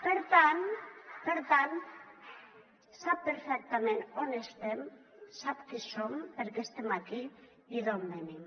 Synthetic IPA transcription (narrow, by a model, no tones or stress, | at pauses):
beɾt̪anbeɾt̪an | sapeɾfek̚t̪amenonest̪em | sapkisombeɾkest̪emak̪i | iðombeni